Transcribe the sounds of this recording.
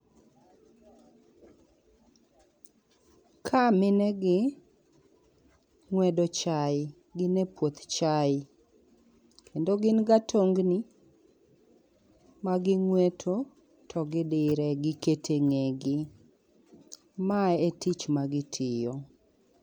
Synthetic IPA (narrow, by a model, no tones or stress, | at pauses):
kʰamɪnɛɡɪ | ŋwɛdɔt͡ʃajɪ | ɡɪnɛpwot̪t͡ʃajɪ | kʰendoɡɪnɡatʰoŋɡni | maɡɪŋwɛtʰo | tʰɔɡɪdɪɾɛɡɪketʰeŋeɡɪ | maetit͡ʃmaɡɪtʰɪjɔ